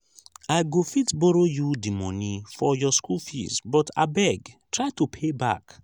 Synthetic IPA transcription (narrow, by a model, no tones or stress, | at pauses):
ajɡofitbɔɾojudimɔnifɔjɔskʰulfḭsbɔta̰bɛɡtɹaɪtupʰeba̰k